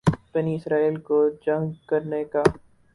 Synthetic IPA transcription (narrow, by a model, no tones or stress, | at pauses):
b̥ɐniɪsɾaːiːlkod͡ʒɐ̃ŋɡkɐɾneka